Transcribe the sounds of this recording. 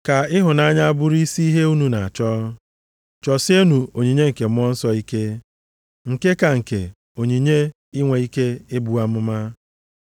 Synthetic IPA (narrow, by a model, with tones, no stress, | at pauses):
ka˨ɪ˦ɦʊ˨na˦ɲa˦a˦bʊ˦ɾi˦si˦i˦ɦe˦u˦nu˨na˨a˨t͡ʃɔ˦ | t͡ʃɔ˨sɪ˦e˦nu˨o˨ɲi˨ɲe˦ŋ̩˨ke˨mʊ˦ɔ˦n̩˦sɔ˦i˦ke˦ | ŋ̩˨ke˦ka˨ŋ̩˨ke˨ | o˨ɲi˨ɲe˦ | ɪ˦ŋʷe˨i˦ke˦e˦bu˦a˦mʊ˦ma˦